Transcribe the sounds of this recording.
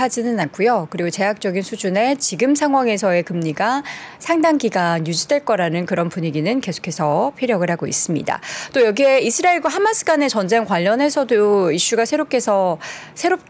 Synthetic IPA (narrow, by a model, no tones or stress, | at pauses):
ad͡ʑinɯnak͈ujokɯɾiɡot͡ɕe̞jak̚t͡ɕ͈ʌɡinsʰud͡ʑune̞t͡ɕiɡɯmsʰaŋɦwaŋe̞sʰʌe̞kɯmɲiɡasʰaŋdaŋɡiɡanjud͡ʑidwe̞ɭk͈ʌɾanɯnkɯɾʌnpuɲiɡinɯnke̞sʰo̥kʰe̞sʰʌpʰiɾjʌɡɯɭhaɡoḭs͈ɯmɲḭda̰t͈ojʌɡie̞isʰɯɾaeɭɡwaɦamasʰɯ̥ɡane̞t͡ɕʌnd͡ʑe̞ŋkwaʎːʌne̞sʰʌdoiɕ͈uɡasʰe̞ɾop̚k͈ʰe̞sʰʌ | sʰe̞ɾop̚